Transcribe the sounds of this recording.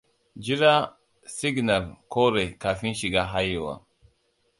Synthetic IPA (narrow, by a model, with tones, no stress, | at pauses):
d͡ʒi˦ɾa˦ | si˦ɡna˨lko˦ɾe˨ka˨fi˦nʃi˨ɡa˦ɦa˦je˨wa̰˨